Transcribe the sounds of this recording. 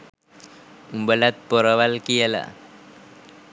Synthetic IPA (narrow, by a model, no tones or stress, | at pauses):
umbəlat̪̚pɔɾaʋalkijəla̰